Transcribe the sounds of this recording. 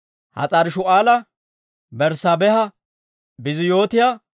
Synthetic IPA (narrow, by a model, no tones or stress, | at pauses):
hɐ̰t͡sʼɐɾɪʃʊaːlɐ | bɛɾsɐbɛhɐ | bɪzɪjo̞ːt̪ɪja